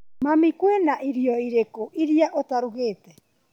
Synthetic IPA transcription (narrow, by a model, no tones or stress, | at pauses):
mamikwenaʔiɾiɔiɾekoʔiɾiaʔotaɾuɣeːtɛ